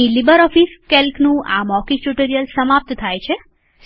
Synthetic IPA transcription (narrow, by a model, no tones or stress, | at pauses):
ilibəɾɔfiskelknũʔa̰mɔkiʈuʈəɾijəlsəmap̚t̪t̪ʰajt͡ʃʰe